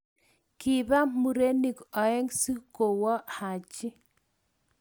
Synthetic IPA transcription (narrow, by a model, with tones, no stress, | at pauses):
ki˨ba˦mu˨ɾe˦ni˨kɔ˨ɛ˦ŋsi˦ko˨wɔ˦ha˨t͡ʃɪ˦